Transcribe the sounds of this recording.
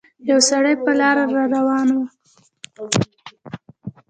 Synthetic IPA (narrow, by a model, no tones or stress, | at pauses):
jjawsaɽəjpəlɑɾaɾɑɾawɑnwa